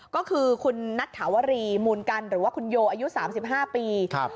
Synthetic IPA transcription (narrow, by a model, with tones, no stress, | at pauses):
kɔː˥˩kʰɯː˧kʰu˧nːa˦˥t̪̚ʰːaː˩˦wa˧ɾiː˧muː˧nka˧nɾɯː˩˦waː˥˩kʰu˧njoː˧ʔaː˧ju˦˥saː˩˦msi˨˩p̚ɦaː˥˩piː˧kʰ